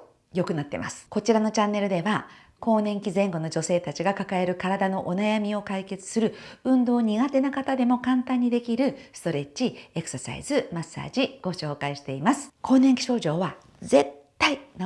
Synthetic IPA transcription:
jo̞kɯ̟nat̪ːe̞̰mʔa̰sɨ̥ko̞t͡ɕiɾano̞t͡ɕãnːe̞ɾɯ̟d̪e̞βa | ko̞ːnẽ̞ŋkʲizẽ̞ŋɡo̞no̞d͡ʑo̞se̞ːt̪at͡ɕiɡakakae̞ɾɯ̟kaɾad̪ano̞ʔo̞najamʲio̞kaike̞t͡sɨ̥sɨɾɯ̟ɯ̟̃nd̪o̞ːɲ̟iɡat̪e̞nakat̪ad̪e̞mo̞kãnt̪ãɲ̟ːid̪e̞kʲiɾɯ̟sɨ̥t̪o̞ɾe̞t͡ɕiekɯ̟̥sasa̰ḭzɨmasːa̰ːd͡ʑiɡ̥o̞ɕo̞ːkaiɕi̥t̪e̞imasɨ̥kʰo̞ːneŋkʲi̥ɕo̞ːʑo̞ːβa | ze̞t̪ːain

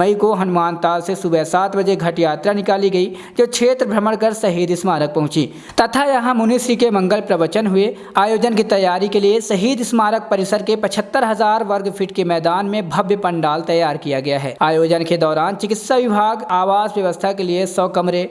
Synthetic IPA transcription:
əikoɦɐnʊmaːnt̪aːlsesʊbɛsaːt̪ʰbɐd͡ʒeɡʱɐʈjaːt̪ɾanɪkaːliɡɐi | d͡ʒoːkʃʰeːt̪ɾəbʱɾɐməɽ̃kəɾsɐɦiːd̪ɪsmaːɾək̚pɐɦʊ̃t͡ʃiː | t̪ɐt̪ʰajɐɦãʊniːsɾikemɐ̃ŋɡəlpɾɐʋət͡ʃənɦʊe | aːjoːd͡ʒənkit̪ɐjːaːɾikeliesɐɦiːd̪ɪsmaːɾək̚pɐɾɪsəɾkepɐt͡ʃʰət̪ːəɾɦɐzaːɾʋɐɾɡpʰɪʈkemɛːd̪aːnmẽbʱɐbjəpə̃ɳɖaːlt̪ɐjːaːɾkijaɡɐjaɦɛ̰ːaːjoːd͡ʒənked̪ɔːɾaːnt͡ʃɪkɪt̪saʋɪbʱaːɡaːʋaːsʋjɐʋəst̪ʰakeliesɔːkɐmɾe

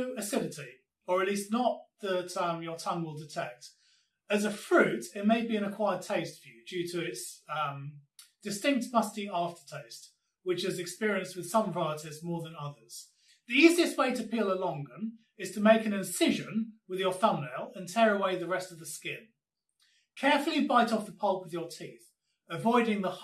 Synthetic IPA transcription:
ɨsɪɾɨti | əɹətˡliˑsⁿnət̪̚ðətʌmjətʰʌ̃ŋwɪlˠdɪtʰɛk̚t | əzəfɹʉˑtɪt̚meɪbiɨ̃nəkʰw̥aɪəd̚tʰeɪstfjʉd͡ʒʉtʰəɪtsʌ̃md̥ɨstɪ̃ŋk̚tmʌstiɑˑftə̥tʰeɪst | wɪt͡ʃɪzɨkspɪɹiə̃nst̚wɨð̥sʌ̃ɱɹɑɪətɪzmɔɹðə̃nʌðə˞z̥ | ðiiːziɨst̚weɪtəpʰiːlˠəlɒ̃ŋɡə̃n | ɪz̥tʰəmeɪkɨ̃nɪ̃nsɪʒə̃nwɪðjə˞θʌ̃mːeɪlˠə̃ntʰɛːɹəweɪðəɹɛstəvðəskɪ̃n | kʰɛɹfəlˠibaɪtɒfðəpʰʌlˠpwɨðjətʰiˑθ | əvɔɪɾɪ̃ŋðə

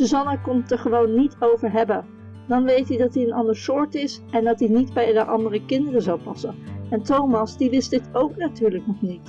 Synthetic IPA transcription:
suzɑnakɔmtəɹχəʋownːitowvəɹɦɛbən | dɑnʋejtidɑtdiənɑndəɹsʊːɹtɪsɛndɑtdinidbɛjləʔɑndərəkɪndərəzawpɑsənɛntowmɑsdiʋɪstdɪtowknatyːɹləknɔχnit

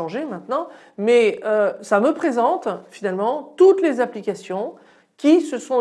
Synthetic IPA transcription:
ɑ̃ʒemɛ̃t̪nɑ̃ | mɛøsaməpχezɑ̃t̪finalmɑ̃t̪ut̪lezaplikasjɔ̃ | kʲisəsɔ̃

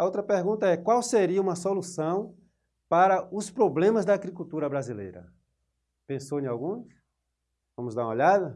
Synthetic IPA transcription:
ɐowt̪ɾɐpeɾɡũnt̪ɐɛkwawseɾiɐũmɐsolusɐ̃w̃ | paɾɐʊspɾoblẽmɐzd̪ɐːɡɾikut̪uɾɐbɾazilḛjɾɐ̰ | pẽsoẽawɡũs | vɐ̃mʊzd̪aɾumoʎad̪ɐ

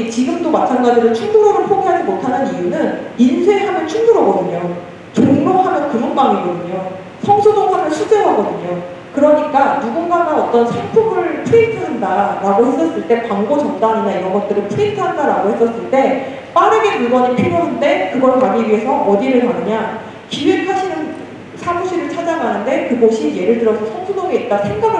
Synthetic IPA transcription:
t͡ɕiɡɯmdomat͡ɕʰanɡad͡ʑiɾot͡ɕʰuŋɡuɾoɾɯɭpʰoɡeɦad͡ʑimotʰanɯnijunɯninsʰeɦamjʌnt͡ɕʰuŋɡuɾʌɡʌdɯɲo | t͡ɕoŋdohamjʌnkɯmunbaŋiɡʌdɯɲo | sʰʌŋsʰod͡ʑʌŋɡʰoɾɯɭɕʰud͡ʑeɦaɡʌdɯɲo | kɯɾʌɲik͈anuɡuŋɡanɡanʌt͈ʌnsʰeŋpʰuɡɯɾɯɭpʰuitʰɯɦandaɾaɡohe̞s͈ʌs͈ɯɭt͈e̞paŋɡʌt͡ɕʌndaɲinaiɾʌnɡʌt̚t͈ɯɾɯnpʰuitʰɯɦandaɾaɡohe̞s͈ʌs͈ɯɭt͈e̞ | p͈aɾɯɡe̞pɯɭɡwʌɲipʰiboɦande̞kɯɡʌɭpaɡiɾie̞sʰʌʔʌdiɾɯɭkanɯɲa | kiwisʰaɕʰinɯn | sʰamuɕʰiɾɯɭt͡ɕʰad͡ʑamanɯnde̞kɯɡoɕʰije̞ɾɯɭdɯɾʌsʰʌsʰʌŋsʰodʌɡeit̚t͈asʰe̞ŋɡaɡ

